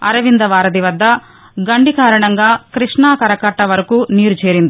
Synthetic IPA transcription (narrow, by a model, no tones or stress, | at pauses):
ɐ̰ɾɐʋind̪ɐʋaːɾɐd̪iʋɐd̪ːɐ | ɡɐɳɖikaːɾɐɳɐŋɡaːkɾiʂɳaːkɐɾɐkɐʈːɐʋɐɾɐkuːniːɾut͡ʃeːɾind̪i